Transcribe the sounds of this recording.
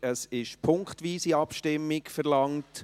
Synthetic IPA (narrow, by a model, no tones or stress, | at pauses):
əsɪʃpʰʊŋkχtʋiːsiɑpʃtɪmːɪkfɛɾlɑŋt